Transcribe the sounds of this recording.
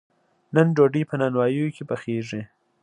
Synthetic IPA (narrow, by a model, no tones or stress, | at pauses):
nənɖoɖipənɑnwɑjəjokʰepəxeʐi